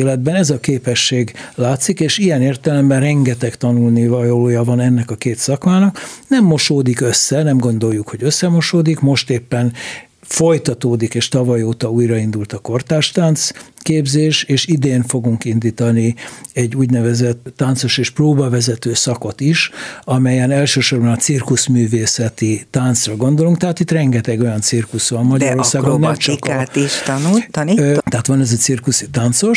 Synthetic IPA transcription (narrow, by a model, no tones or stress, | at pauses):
lɛd̪̚bɛnɛzɒkeːpɛʃːeːɡlaːt̪sikeːʃijɛneːrt̪ɛlɛmbɛnrɛŋɡɛt̪ɛkt̪ɒnulnivɒloːjɒvɒnɛnːɛkɒkeːt̪sɒkmaːnɒknɛmːo̞ʃoːd̪ikø̞sːɛnɛmɡo̞nd̪o̞jːukʰho̞ɟø̞sːɛmo̞ʃoːd̪ikmo̞ʃt̪eːpːɛn | fo̞jt̪ɒt̪oːd̪ikeːʃt̪ɒvɒjoːt̪ɒuːjrɒind̪ult̪ɒko̞rt̪aːʃt̪aːnt̪skeːbzeːʃeːʃid̪eːnfo̞ɡuŋkind̪iːt̪ɒniɛɟːuːɟnɛvɛzɛt̪ːaːnt̪so̞ʃeːʃproːbɒvɛzɛt̪øːsɒko̞t̪iʃɒmɛjɛnɛlʃøːʃo̞rbɒnɒsirkusmyːveːsɛt̪it̪ant̪srɒɡo̞nd̪o̞luŋk̚t̪ɛɦat̪it̪rɛŋɡɛt̪ɛɡo̞jɒnt̪sirkusʋɒmmɒɟɒɾo̞rsaːɡonnːɛmt͡ʃkt̪iʃt̪ɒnu | t̪ɛɦaːt̪ʋɒnɛzɒt̪sirkusit̪ant̪so̞ʃ